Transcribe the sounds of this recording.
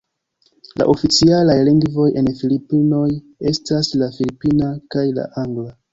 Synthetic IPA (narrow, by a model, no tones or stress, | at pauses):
lʔa̰ʔo̞fit͡sialajliŋɡvo̞je̞nfilipino̞j | e̞staslafilipinakajla̰ʔaŋɡla